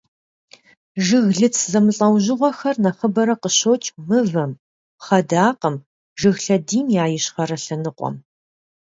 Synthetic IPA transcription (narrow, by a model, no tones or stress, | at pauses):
ʒɨɣɮɨt͡sʰzɐmɨɬʼɐwʑɪʁʷɔxɐrnɐχɐbɐɾɐqəɕowt͡ʃʰʼmɨvɐm | χɐdaːqəm | ʒɨɣɬɐdiːmjaːjɪɕχɐɾɐɬɐnɨqʷʼɔ̰m